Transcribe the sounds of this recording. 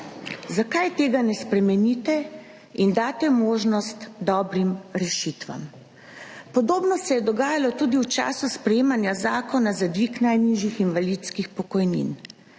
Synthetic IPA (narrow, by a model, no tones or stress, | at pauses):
zakajt̪eːɡanɛspɾɛmɛnit̪ɛ | ind̪aːt̪ɛmoːʒnɔst̪d̪ɔːbɾimɾɛʃit̪ʋa̰m | pɔd̪oːbnɔsɛjɛd̪ɔɡaːjalɔt̪uːd̪iwt͡ʃa̰ːsuspɾɛjeːmanjazaːkɔnazad̪ʋiːknajniʒjixinʋalit̪skixpɔkɔjnḭn